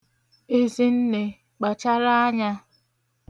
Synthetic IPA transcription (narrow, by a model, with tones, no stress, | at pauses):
e˦zi˦n̩˦ne˨ | k͡pa˨t͡ʃa˦ɾa˦a˦ɲa˦